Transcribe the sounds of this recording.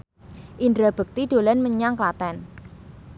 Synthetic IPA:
ʔindɾab̥ə̤k̚t̪id̪̥o̤lɛnməɲaŋklat̪ɛn

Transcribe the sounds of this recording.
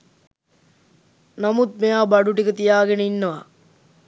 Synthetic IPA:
namut̪̚mejaːbaɖuʈikət̪ijaːɡenəinːəʋa̰

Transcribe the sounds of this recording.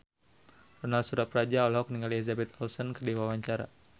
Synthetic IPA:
rɔnalsuɾapɾad͡ʒaɔlaɦɔkəniŋɡaliizabɛt̪ɔlsɔnkərdiwawaɲt͡ʃaɾa̰

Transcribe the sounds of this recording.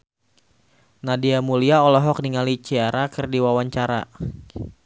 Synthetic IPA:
nadiamuliaɔlɔɦɔk̚niŋalit͡ʃiaɾakɨrdiwawaɲt͡ʃaɾa̰

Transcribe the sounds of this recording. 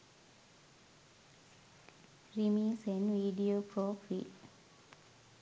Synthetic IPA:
ɾimiːsenʋiːɖioːpɾoːfḭːl

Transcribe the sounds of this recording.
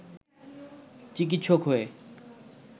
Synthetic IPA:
t͡ɕik̬it̪ːʃʰokɦoe

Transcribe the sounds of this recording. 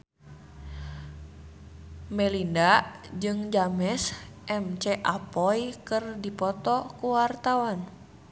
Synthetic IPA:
mɛlindad͡ʒɨŋd͡ʒamɛs | ʔɛmt͡ʃɛʔapɔjkɨrdipɔt̪ɔkuwart̪awan

